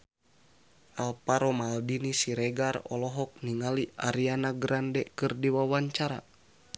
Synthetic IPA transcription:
alpaɾɔmaldinisiɾɛɡarɔ̰lɔɦɔk̚niŋalia̰ɾianaɡɾandɛkɨrdiwawaɲt͡ʃaɾa̰

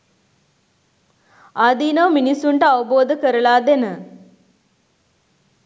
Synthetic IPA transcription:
ad̪iːnəʋminisːuɳʈəaʋəboːd̪əkəɾəlaːd̪enə

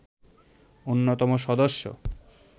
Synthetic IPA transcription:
onːot̪ɔmoʃɔd̪oʃːo̰

